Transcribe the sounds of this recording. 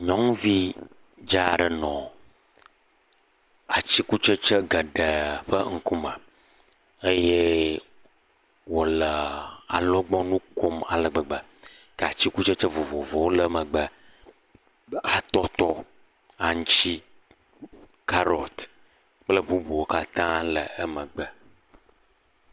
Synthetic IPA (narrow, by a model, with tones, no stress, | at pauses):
ɲɔ̃˦ŋvi˦ | d͡ʒa˦˨ɖə˨nɔ̃˨ | a˨t͡ɕi˦ku˦t͡ʃə˦t͡ʃə˦ɡə˨ɖə˨ɸə˦ŋ̩˦ku˦mə˨ | ə˦je˦ | wo˨lə˨a̰˨lɔ˦ɡ͡bɔ˦nũ˦ko˦ma˨lə˨ɡ͡bə˨ɡ͡bə˨ | kə˨a˨t͡ɕi˦ku˦t͡ʃə˦t͡ʃə˦vɔ˨vɔ˨vɔ˨wo˦lə˨˦mə˨ɡ͡bə˨ | a˨t̪ɔ˦t̪ɔ˦ | a˨ŋ˦t͡ʃi˦ | ka˦ɾɔ˨t̪ | k͡plə˦bu˦bu˨wo˦ka˦t̪ã˦lə˨ə˦mə̃˨ɡ͡bə˦